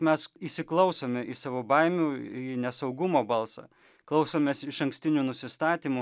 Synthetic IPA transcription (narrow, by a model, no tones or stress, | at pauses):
mʲɛsisʲɪklˠɐʊsoːmʲɛʔisɑːʋoːbɐɪmʲuːinʲɛsɐʊɡʊmoːbɐlˠsɑ̰ː | klˠɒʊsoːmʲeːsɪʃɐŋksʲt̪ʲɪnʲuːnʊsʲɪst̪ɑːt̪ʲiːmʊ